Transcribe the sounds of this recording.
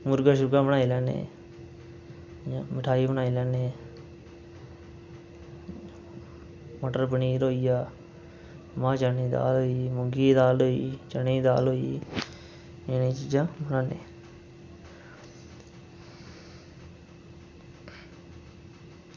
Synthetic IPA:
mʊɾɡaːʃ̬ʊɾɡãːbənaːilɛːnḛ̃ː | mɪʈʰaːiːbənaːiːlɛːneː | mːʈəɾpəniːɾoːijaː | mãːt͡ʃəniːd̪a̰ːloːiːmʊɡiːd̪aːloːḭːt͡ʃəniːd̪aːloːi | enẽt͡ʃiːd͡ʒãːbənaːnḛ̃ː

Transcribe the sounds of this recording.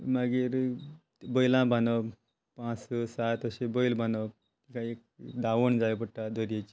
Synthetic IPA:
maɡiɾ | bəjlãbʱanəb | pãt͡ssat̪əɕebəjlbʱanəb̚ | kikaiek̚d̪aʋəɳd͡zajbəʈːad̪əɾijet͡ɕi

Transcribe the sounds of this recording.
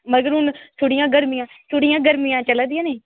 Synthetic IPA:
məɡəɾɦʊnt̪ʰoːɽɪjãːɡəɾmijãː | t̪ʰoːɽɪijãːɡəɾmijãːt͡ʃəlãd̪ɪãːneː

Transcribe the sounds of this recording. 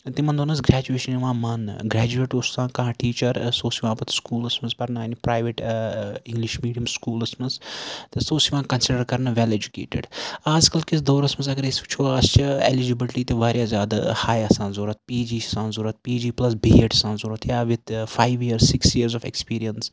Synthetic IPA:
t̪imɐnd̪oːnɐs̬ɡɾæːd͡ʒueːʃɐniʋãːmɐnɡɾɛːd͡ʒueːʈust̪ãːnkɐɦãːʈiːt͡ʃɐɾsoːsiʋãːpɐt̪skuːlɐsmɐzpɐɾnaːnipɾaːjʋeʈĩŋɡliʃmiːɖijɐmskuːlɐsmɐzt̪esoːsiʋãːnkɐnsɪɖɐɾkɐɾnɐʋɛled͡ʒukḛːʈḛɖaːzkɐlkisd̪oːɾɐsmɐzɐɡɾesiʋt͡ʃʰoːaːzt͡ʃʰɐḛlid͡ʒibilʈit̪eʋaːɾʲjaːzjaːd̪a̰haːjɐsãːnzoːɾɐt̪̚piːd͡ʒiːsãːnzuːɾɐt̪̚piːd͡ʒiːplɐs̬biɦeʈɐ̥sãːnzuːɾɐt̪jaːʋɪd̪faːiʋjiəɾsːɪksjiːəɾzɔfḛkspiːɾijəns

